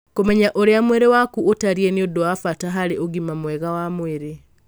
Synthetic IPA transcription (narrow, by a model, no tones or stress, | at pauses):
komɛɲaʔoɾeamweɾewakuʔotaɾieneodowafataɦaɾeʔoɣimamwɛɣawamweɾe